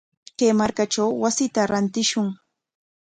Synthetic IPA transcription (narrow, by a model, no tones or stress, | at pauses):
keːmaɾkaʈ͡ʂawwasɪt̪aɾant̪ɪʃʊŋ